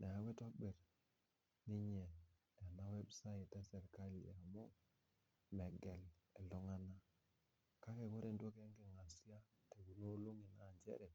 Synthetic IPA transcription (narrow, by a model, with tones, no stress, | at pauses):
ne˨a˨˦we˦to˦ɓe˨ɾ | ni˦ɲe˨ | a˨na˦we˦bsa˦i˨tːa˦se˨ɾka˦li˨a˨mo˦ | me˨ɡe˨l | e˨lɔ˨˦ŋa˦na˦ | ka˦ke˨ko˦ɾe˨ndo˦ke˦ŋke˨ŋa˨si˦a˦ | te˨ɡu˨no˦lo˦ŋi˨na˨ɲd͡ʒḛ˦ɾɛ˨